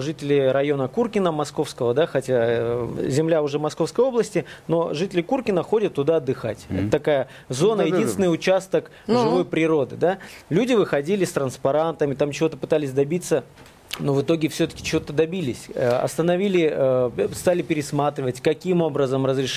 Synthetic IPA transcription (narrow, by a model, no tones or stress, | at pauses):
ʐɨtʲɪlʲɪɾɐjo̞nəkurkʲɪnəmɐsko̞fskəvəd̪axɐtʲa | zʲɪmlʲaʊʐɛmɐsko̞fskəjo̞blˠəsʲtʲɪno̞ʐɨtʲɪlʲɪkurkʲɪnəxo̞dʲət̪ːʊd̪aɐd̪ːɨxa̰tʲɛ̰t̪ət̪ɐkajə | zo̞nəjɪd̪ʲinvɪnəjʊt͡ɕast̪ək | ʐɨvo̞jpɾʲɪɾo̞d̪ɨd̪alʲudʲɪvɨxɐdʲilʲɪst̪ɾənspɐɾant̪əmʲɪt̪amt͡ɕɪvo̞t̪əpɨt̪alʲɪsʲd̪ɐbʲit̪sə | novɨt̪o̞ɡʲɪfsʲɵt̪ə̥kʲɪ̥t͡ɕɪvo̞t̪əd̪ɐbʲilʲɪsʲə̰ɐ̰st̪ənɐvʲilʲɪ | st̪alʲɪpʲɪɾʲɪsmat̪ɾʲɪvətʲkɐkʲimo̞bɾəzəmrəzɾʲɪʂ